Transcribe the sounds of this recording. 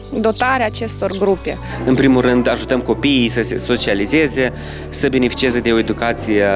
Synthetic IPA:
d̪o̞t̪aɾeaːt͡ʃe̞st̪o̞rɡɾupe̞ | ɨnpɾimulrɨnd̪aʒut̪əmko̞piːjsəse̞so̞t͡ʃialize̞ze̞ | səbe̞ne̞fi̥t͡ʃiezed̪e̞o̞e̞d̪ukat̪sije

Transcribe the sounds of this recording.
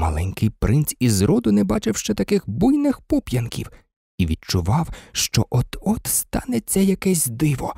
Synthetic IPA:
mɐ̰lˠɛnʲkɪjpɾʔɪnt͡sʲizɾɔd̪ʊnɛbɑt͡ʃɪwʃt͡ʃɛt̪ɐkɪxbujnɪxpɔpʲjɐnkʲḭw | iʋʲidt͡ʃʊʋɑwʃt͡ʃɔʔɔd̪̥ɔt̪st̪ɑ̰nɛsʲɛjɐkɛsʲd̪ɪʋɔ̰

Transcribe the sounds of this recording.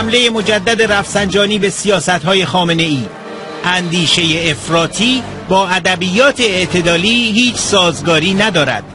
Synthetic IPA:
mle̞je̞mo̞d͡ʒæd̪ːæd̪e̞ɾæfsænd͡ʒɒːniːbe̞sijɒːsæt̪hɒːje̞xɒːme̞ne̞iː | ʔænd̪iːʃe̞jeːfɾɒːt̪ʰiː | bɒːæd̪æbijɒːt̪ʰe̞ːʔt̪ʰe̞d̪ɒːliːhiːt͡ʃʰsɒːzɡɒːɾiːnæd̪ɒːɾæ̰d̪̥̚

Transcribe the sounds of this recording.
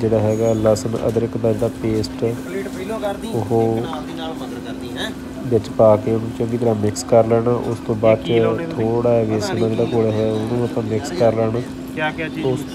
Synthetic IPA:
d͡ʒeːɽaːɦɛːɡaːlaːsənʔə̰d̪əɾɪkb̪əːɾd̪aːpeːsʈ | ʊɦoː | bɪt͡ʃpaːkeːʊnũːt͡ʃə̃ŋɡiːt̪əɾaːmɪkskəɾlɛːɽaːʔʊst̪õːbaːd̪t͡ʃt̪ʰoːɽaːɦɛːɡɛːsɪnãːd͡ʒeːɽaːkoːleɦɛːʊnũːət̪ãːmɪkskəɾlɛːnaː | ʊs

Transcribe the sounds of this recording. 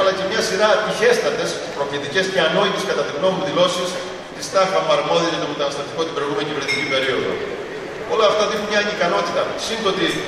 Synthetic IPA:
ɐlɐce̞mɲɐsiɾɐp̪içe̞st̪ɐnd̪e̞s | pɾofit̪ice̞sce̞ɐno̞it̪eskɐt̪ɐt̪iɣno̞muðilo̞sis | t̪ist̪ɐfɐmɐɾmo̞ðiɐʝɐt̪omet̪ɐnɐst̪ɾɐt̪iko̞t̪ibɾeioɣumeniciveɾnet̪icipe̞ɾio̞ðo̞̰ | o̞loɐft̪oðinmɲɐɲikɐno̞t̪it̪ɐsind̪ot̪i

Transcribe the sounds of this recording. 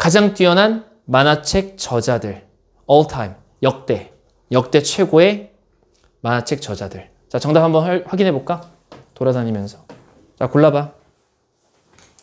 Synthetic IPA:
kad͡ʑaŋt͈ɥiʌnɦan | manat͡ɕʰe̞k̚t͡ɕʌd͡ʑadɯɭ | ʌɭtʰaim | jʌk̚t͈e̞ | jʌk̚t͈e̞t͡ɕʰwe̞ɡoe̞ | manat͡ɕʰe̞k̚t͡ɕʌd͡ʑadɯɭ | t͡ɕat͡ɕʌŋdaphambʌnɸwaɡinɦe̞bok͈a | toɾadaɲimjʌnsʰʌ | t͡ɕakoɭːaba

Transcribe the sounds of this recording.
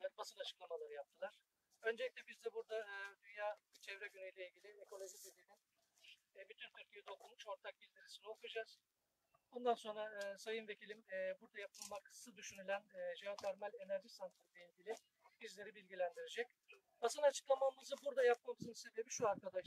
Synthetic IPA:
aɾbasɯnat͡ʃʰɯ̥klˠamalˠaɾɯjap̚t̪ʰɯlˠaɾ̥ | ø̞nd͡ʒelʲic̚tʲɛbizd̪ɛbuɾd̪aɯːd̪ynjaːt͡ʃʰɛvɾɛɟynyjlʲɛilʲɟʲilʲiekʰo̞lʲˠo̞ʒid̪ed̪ininː | byt̪ʰynt̪ʰyɾcʰʲijɛd̪o̞kʰulˠmuʃo̞ɾt̪ʰak̚bizʲd̪iɾɯsinio̞kud͡ʒaz̥ | o̞nd̪anso̞nɾaɯːsajɯnve̞cʰilʲimːbuɾd̪ajap̚ʰɯnmaksɯd̪yʃynylʲænːʒiɦat̪ʰæɾmælʲe̞næɾʒisant̪ɾɾilʲeilʲɟʲilʲi | bizlʲe̞ɾibilʲɟʲilʲænd̪iɾed͡ʒɛc̚ | b̥asɯnat͡ʃʰɯ̥klˠamamɯzɯbuɾd̪ajap̚mamsunse̞be̞biʃuaɾkad̪aʃ

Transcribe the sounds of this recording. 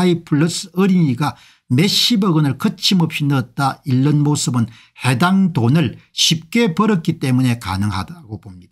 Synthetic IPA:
ipʰuɭːɯsɯɾiɲiɡa | me̞ɕibʌɡɯnɯɭkɯt͡ɕʰimʌpɕʰinʌt̚t͈aiɭːɯnmosɯbɯn | he̞daŋdonɯɭɕʰip̚k͈e̞pʌɾʌk͈it͈e̞mune̞ka̰nɯŋɦa̰daɡobomɲid̥a

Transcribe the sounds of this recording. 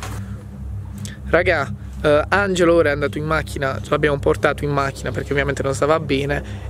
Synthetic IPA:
raɡa | and͡ʒelooːɾaɛand̪aːt̪oimmːakːinat͡ʃlabjaːmoport̪aːt̪oimːak̟ːinaperk̟eovjament̪enonst̪aːvabɛːne

